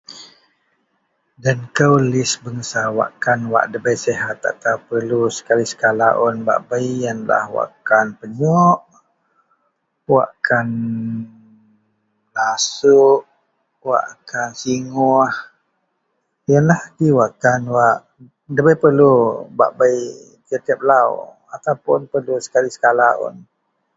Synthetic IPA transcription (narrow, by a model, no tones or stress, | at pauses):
dankəwlɪsbəŋəsawa̰ʔkanwa̰ʔdəbəjseɦat̪ːa̰ʔt̪apərlusə̥kalisə̥kalaʔɔnba̰ʔbəjjanla̰hwa̰ʔkanpəɲɔʔ | wa̰ʔkʰan | lasuʔ | wa̰ʔkansiŋɔh | janlahdiwaʔkanwaʔ | dəbəjpərluba̰ʔbaj | t̪it̪ɛp̚law | at̪awpʊ̰npərlusə̥kalisə̥kalaʊ̰n